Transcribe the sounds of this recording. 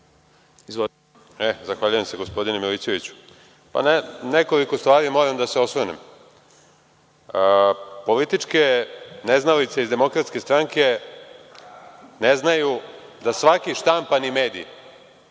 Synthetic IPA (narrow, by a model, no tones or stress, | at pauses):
iz | ezaxʋaʎujemse̞ɡo̞spo̞d̪inemilisjoʋit͡ɕu̥ | pa̰neneko̞liko̞st̪ʋaːɾimo̞ːɾamd̪ase̞o̞sʋonem | əpo̞lit̪it͡ʂke̞neznalit̪seizd̪e̞mo̞kɾat̪ske̞st̪ɾaŋke̞ | neznajud̪asʋakiʃt̪ampanime̞ːd̪ḭj